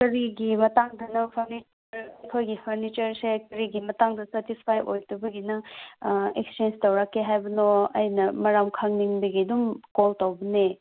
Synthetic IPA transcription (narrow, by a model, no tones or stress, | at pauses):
kɐɾiɡimɐtaŋdɐnɐpʰɐɾnit͡ʃ | ɐɾɐkʰojɡipʰɐɾnit͡ʃɐɾsekɐɾiɡimɐtaŋdɐsɐtispʰajʔojtubɐɡinɐ | ekst͡ʃend͡ʒtɐwɾakːeɦajbɐnoɐ̰jnɐmɐɾamkʰaŋniŋbiɡidumkoltawbɐne